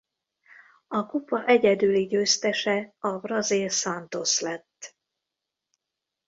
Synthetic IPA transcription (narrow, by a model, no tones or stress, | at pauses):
ɒkupɒʔɛɟɛd̪yliɟøːst̪ɛʃɛɒbrɒzilsɒnt̪o̞slɛt̪ː